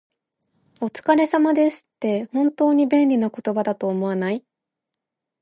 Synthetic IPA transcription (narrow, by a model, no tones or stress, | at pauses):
o̞t͡sɨ̥kaɾe̞samad̪e̞sɨ̥t̪ːe̞hõ̞nt̪o̞ːɲ̟ibẽ̞nɾʲinako̞t̪o̞bad̪at̪o̞ːmo̞anai